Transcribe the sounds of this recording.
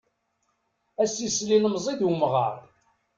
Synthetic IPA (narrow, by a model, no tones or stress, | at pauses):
æsislinəmzˤiðwumʁə̰ɾˤ